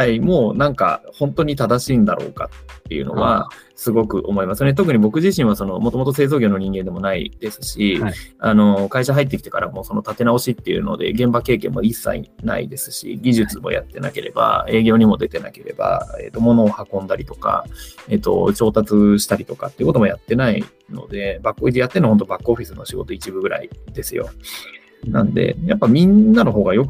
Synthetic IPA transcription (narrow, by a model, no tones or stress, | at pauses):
haimo̞ːnãŋka̰hõ̞nt̪o̞ɲ̟it̪ad̪aɕiːnd̪aɾo̞̰ːka̰t̪ːe̞̰jɯ̟̰no̞̰βa | sɨɡo̞kɯ̟ʔo̞moimasɨnet̪̬o̞k̬ɯ̟ɲ̟ibo̞kɯ̟ʑiɕĩɰ̃βaso̞no̞mot̪o̞mot̪o̞se̞ːzoːɡʲo̞ːnoɲ̟ĩŋɡẽ̞nd̪e̞mo̞naḭd̪̥e̞sɨ̥ɕiano̞kaiɕaɦait̪ːe̞kʲi̥t̪e̞kaɾamo̞ːsono̞t̪at̪e̞nao̞ɕit̪ːe̞jɯ̟no̞̰d̪e̞̰ɡẽ̞mbake̞ːkẽ̞mːo̞̰isːa̰ḭna̰ḭd̪e̞sɨ̥ɕḭɡʲiʑɨt͡sɨmo̞̰ja̰t̪ːe̞nake̞ɾe̞ba̰e̞ːɡʲo̞ːɲ̟imo̞d̪e̞t̪ena̰ke̞ɾe̞̰ba̰e̞̰t̪ːo̞mo̞no̞ːhakõ̞nd̪aɾʲit̪o̞̥ka̰et̪ːo̞̰t͡ɕo̞ːt̪at͡sɨɕi̥t̪aɾʲit̪o̞kat̪ːeiɯ̟kot̪o̞mo̞jat̪ːe̞nai | no̞̰d̪e̞bakɯoijat̪ːe̞nohõ̞nt̪o̞bakːɯo̞ɸʲisɨnoɕiɡo̞t̪o̞it͡ɕibɯ̟ɡɯ̟ɾa̰id̪e̞sɨjo̞̰ | nãnod̪e̞̰japːamʲĩnːano̞ɦo̞ːɡajo̞k